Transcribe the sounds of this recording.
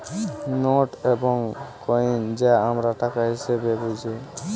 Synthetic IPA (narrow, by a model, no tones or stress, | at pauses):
noʈebɔŋkɔind͡ʒeamɾaʈakaɦisebebud͡ʒʱi